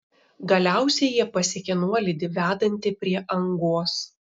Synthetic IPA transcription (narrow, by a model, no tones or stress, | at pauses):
ɡɐlʲæˑʊsʲɛjiɛpɐsʲɪkʲɛnuɔlʲɪd̪ʲɪʋʲæːd̪ɐnʲt̪ʲɪpʲɾʲiɛʔɐŋɡoːs